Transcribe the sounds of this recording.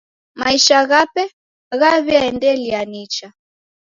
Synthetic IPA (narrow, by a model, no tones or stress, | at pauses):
maiʃaɣapɛ | ɣaβiaɛndɛlianit͡ʃa